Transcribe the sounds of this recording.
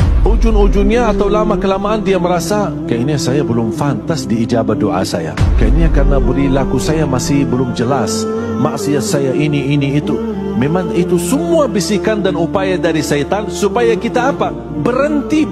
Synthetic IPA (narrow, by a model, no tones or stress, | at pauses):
ʔud͡ʒʊnud͡ʒʊnɲaːt̪awlamakəlamaʔːndiaməɾasa | kainiɲasajabəlʊmfant̪asdiːd͡ʒabat̪̚doʔa̰sa̰ja̰kainiakarənabəɾilakusajamasɪhbəlʊmd͡ʒəlas | ma̰ʔsiat̪sajaʔiniːniːt̪u | memaŋit̪usəmuabisikandanupajadaɾisat̪ansupajakit̪aːpa | bəɾənt̪i